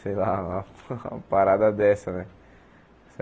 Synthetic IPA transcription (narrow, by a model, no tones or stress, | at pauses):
sela | paɾad̪ad̪ɛsɐnɛ | s